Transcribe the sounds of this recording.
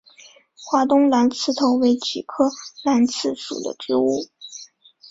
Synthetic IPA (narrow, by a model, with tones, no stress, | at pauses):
xwa˥t̪ʊ˥ŋla˧˥nt͡sʰɹ̩˥˩t̪ʰo˧˥ʊwe˧˥ɪt͡ɕʰi˨˩kʰɤ˥la˧˥nt͡sʰɹ̩˥˩ʂṵ˨˩d̪ə̰˦t͡ɕy˥u˥˩